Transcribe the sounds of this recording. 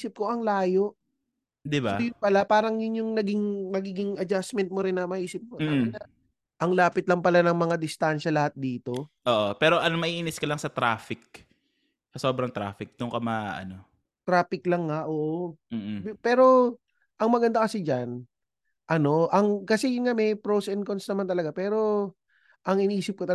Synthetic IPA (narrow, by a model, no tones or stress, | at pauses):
iːsɪp̚ko̞ʔɐŋlaːjo̞ʔ | d̪ɪbaojʊnpɐlapaːɾɐŋjʊnjʊŋnɐɡɪŋmɐɡiːɡɪŋʔɐd͡ʒasmɛnt̪̚moɾɪnːɐmɐhiːsɪp̚koɐmɪnɐ | ʔɐŋlaːpɪt̪̚lɐŋpɐlanɐŋmɐŋad̪ɪst̪anʃɐlɐhat̪̚d̪iːt̪o̞ʔoːʔopɛːɾo̞ʔɐnmɐʔiːʔiːnɪskɐlɐŋsɐt̪ɾaːfɪk̚ | sɐso̞ːbɾɐŋt̪ɾa̰ːfɪk̚d̪ʊŋkɐmaɐ̰no̞ | t̪ɾaːfɪklɐŋːaʔoːʔom̩ːpɛːɾo̞ | ʔɐŋmɐɡɐnd̪akɐsɪd͡ʒan | ʔɐno̞ʔɐŋkɐsɛjŋamɛjpɾosɛnkonsnɐmant̪ɐlɐɡapɛːɾo̞ | ʔɐŋɪniːsɪp̚kot̪ɐ